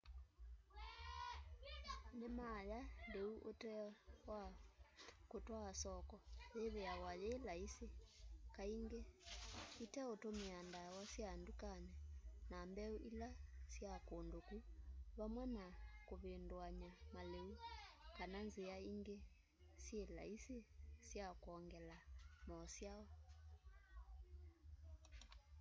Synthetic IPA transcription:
nɛmajadeuʔotɛa | kotwaasɔkɔjeβɛawajelaisikaiŋɡe | itɛotomiandawasjandukanɛnambɛuʔilasjakondokuβamwɛnakoβendwaɲamaleukananzeaiŋɡe | sjela̰isesjakɔŋɡɛlamɔːsjaɔ

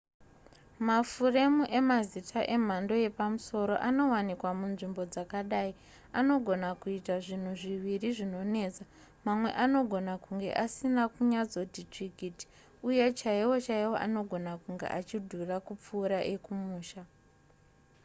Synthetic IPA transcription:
mafure̞muʔe̞mazitʰaʔe̞m̤ando̞je̞pamuso̞ɾo̞̰ʔano̞wanikwamunʐimbo̞d͡zakaɗai | ano̞ɡʱo̞nakuitaʐin̤uʐiʋiriʐino̞ne̞ːt͡sa | mamwe̞̰ʔano̞ɡʱo̞nakuŋɡe̞̰ʔasinakuɲad͡zo̞titriɡʱiti̥ | uje̞t͡ʃaiwo̞t͡ʃaiwo̞̰ʔa̰no̞ɡʱo̞nakuŋɡe̞̰ʔat͡ʃidʱurakup͡fuːɾaʔekumuːʃa

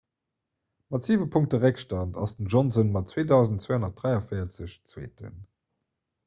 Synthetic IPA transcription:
mɑtz̥iːvəpʰuŋk̚təʁækʃtɑntʰɑ̰sdənʒɔnzənmɑtt͡sweːdɑʊzntt͡sweːhonɐt̚d̥ʁæɪɑfəɪɐt͡səɕt͡swḛːtə̰n

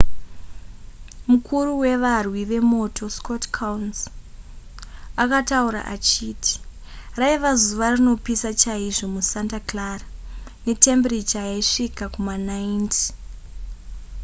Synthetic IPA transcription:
mukʰuruwe̞ʋarwiʋe̞mo̞tʰo̞skotkʰauns | akatauɾa̰ʔa̰t͡ʃiːtʰi̥ | raiʋazuʋarino̞pisat͡ʃaiʐo̞musantaklarane̞tembrit͡ʃajeʂikakumanainti̥

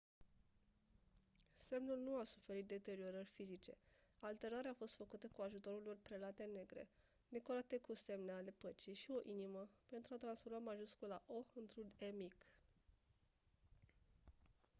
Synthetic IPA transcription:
se̞mnulnuasu̥fe̞ɾit̪̚d̪e̞t̪e̞ɾio̞ɾərʲfizit͡ʃe̞̰alt̪e̞ɾaɾeaːfo̞st̪fəkut̪əkuaʒut̪o̞ɾulorpɾelat̪e̞ne̞ɡɾḛ | d̪e̞ko̞ɾat̪e̞kuse̞mneale̞pət͡ʃijʃio̞ʔiniməpe̞nt̪ɾuat̪ɾansfo̞ɾmamaʒuskulaʔo̞ɨnt̪ɾunemik

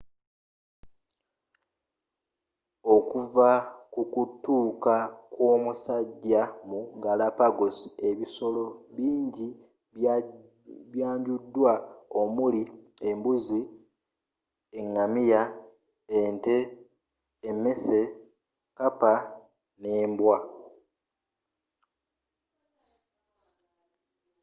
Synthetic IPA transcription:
o̞kuvakukutːuːkakwo̞ːmusaɟːamuɡalapaɡosi̥e̞βiso̞lo̞βiːɲɟi | βjaːɲɟudːwao̞muliembuzi | eŋːamija | ente̞ː | mːe̞se̞ | kapa | ne̞ːmbwa

